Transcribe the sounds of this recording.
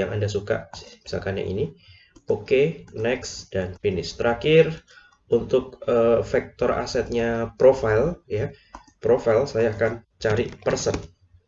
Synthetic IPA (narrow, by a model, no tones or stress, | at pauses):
aŋʔa̰ndas̬uka̰ʔsɪ̥mi̥sa̰lkanɲa̰ʔḭni | okenɛksd̥anfinɪst̪əɾakɪr | ʔunt̪ʊk̚əfɛk̚t̪ɔra̰sɛt̪̚ɲapɾofalja | pɾofailsajaːkan | t͡ʃaɾipərsən